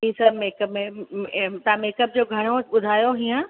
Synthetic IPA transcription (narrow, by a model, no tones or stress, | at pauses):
ɦiːsɐmeːkəpmẽ | t̪ɐãmeːkəp̚d͡ʑoːɡʱɐɽ̃oɓʊd̪ʱaːjoɦiãː